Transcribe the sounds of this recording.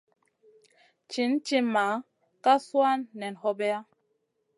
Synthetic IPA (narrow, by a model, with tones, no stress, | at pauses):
t͡ʃi˨˦n˦t͡ʃi˦ma˨˦ | ka˦swa˦nːɛ˨n˨hɔ˦bɛ˦a˦